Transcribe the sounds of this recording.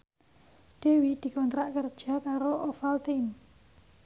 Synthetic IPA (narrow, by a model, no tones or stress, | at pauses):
ɖ̥e̤wid̪̥i̤kɔnt̪ɾaʔkərd̥ʒ̥a̤kaɾoʔofalt̪in